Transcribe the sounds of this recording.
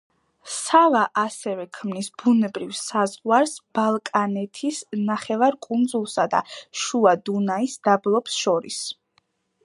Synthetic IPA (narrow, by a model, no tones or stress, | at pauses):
salaʔasɛvɛkʰmnisb̥unɛbɾivsazʁwaɾsb̥alˠkʼanɛt̪ʰisnaχɛvaɾkʼund̪zulˠsad̪a̰ʃuad̪unaisd̪ablˠɔpsʃɔɾḭs